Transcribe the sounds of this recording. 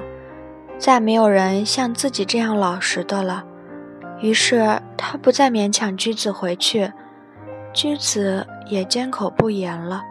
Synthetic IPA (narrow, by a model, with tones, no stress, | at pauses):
t͡sa˥˩ɪme˧˥ɪjo˨˩ʊɻə˧˥nɕjɑ˥˧ŋt͡sɹ̩˥˩t͡ɕi˨˩ʈ͡ʂɤ˥˧jɑ˥˩ŋlɑ˨˩ʊʂɻ̩˧˥d̪ə˧lə˩ | y˧˥ʂɻ̩˥˩t̪ʰa˥pu˧˥t͡sa˥˩ɪmjɛ˧˥nt͡ɕʰjɑ˨˩ŋt͡ɕy˥t͡sɹ̩˨˩xwe˧˥ɪt͡ɕʰy˥˩ | t͡ɕy˥t͡sɹ̩˧˩˦jɛ˨˩t͡ɕjɛ˥nkʰo˨˩ʊpu˥˩jɛ˧˥nlə˧